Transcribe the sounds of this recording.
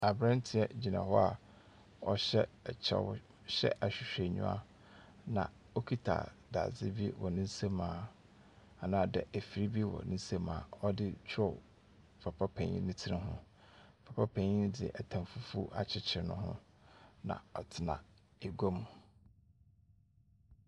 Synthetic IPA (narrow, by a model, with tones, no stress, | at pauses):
a˨bɾã˦n˦tʰɪ˨ɛ˦˨d͡ʑi˨nã̰˨hɔ˦a˨ | ɔ˦ɕɛ˦˨t͡ɕʰɛ̰˨w | ɕɛ̰˦ʔa˨ɕᶣɪ˨ɕᶣe˨ɲṵ̃˦a̰˦ | nã̰˨ | o˦kʰi˦tʰa̰˨ | da̰˨d͡zɪ˦bi˦wɔ˨nɪ̃˦n̩˦se˦mãː˨˦ | a˨nãː˨dɛ˨æ˨fi˨ɾi˦bi˦wɔ̰˨nɪ̃˦n̩˦se˦mã̰ː˨ɔ˦dɪ˦t͡ɕᶣʰɔ˦˨ | fʰa˨pʰa˦pʰã˨ɲḭ̃˦nɪ̃˦tʰɪ˦nɪ̃˦ɦʊ̰̃˦˨ | pʰa˨pʰa˦pʰã˨ɲĩ˦n˦dɪ̰˨ʔɛ˨tʰã˨mfu˦fu˦ʔa˨t͡ɕʰɪ˦t͡ɕʰɪ˨ɾnʊ̃˦ɦʊ̰̃˦ | nã̰˨ɔ˨tʰɪ˨nã̰˨ | e˨ɡo˦m